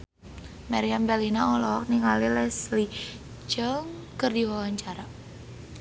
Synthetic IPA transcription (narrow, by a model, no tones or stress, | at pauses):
maɾiambɛlinaɔlɔɔk̚niŋalilɛsli | d͡ʒəŋkərdiwawaɲt͡ʃaɾa